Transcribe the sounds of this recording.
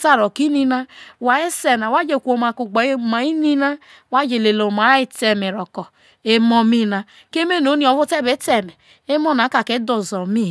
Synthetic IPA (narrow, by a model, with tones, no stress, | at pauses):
ta˦ɾo˨ki˦ni˦na˦wa˨e˦se˨na˨wa˦d͡ʒe˨kʷo˨ma˨ku˨ɡ͡ba˨˦˨ma˨i˦ni˦na˦ | wa˦d͡ʒe˨le˨lo˨ma˨˦i˦te˨me˨ɾɔ˨kɔ˨ | e˦mɔ˦mi˦na˦ | ke˦me˦˨no˨˦ni˦ɔ˨vu˦te˦be˨˦te˨me˨ | e˦mɔ˦˨na˨˦ka˨ke˦do˨zɔ˨mi˦˨